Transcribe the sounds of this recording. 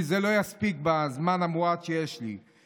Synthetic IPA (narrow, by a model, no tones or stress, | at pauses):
zelo̞jaspik̚bazmanamuad̪ʃejeʃlḭ